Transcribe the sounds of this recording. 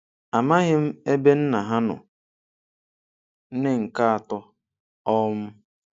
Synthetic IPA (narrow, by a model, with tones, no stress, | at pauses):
a˨ma˦ɣɪ˦m̩˦e˦be˦n̩˦na˨ɦa˦nʊ̰˨ | n̩˦nɪ˦ŋ̩˨ka˦a˨tʊ˦ | ɔ˦m̩˦